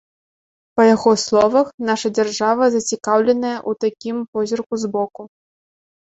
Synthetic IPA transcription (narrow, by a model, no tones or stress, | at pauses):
pɐjaɣɔslˠɔvɐxnaʂɐd͡zʲarʐavɐzɐt͡sʲikawlʲɛnɐjɐʔut̪akʲimpɔzʲɔrkuzbɔku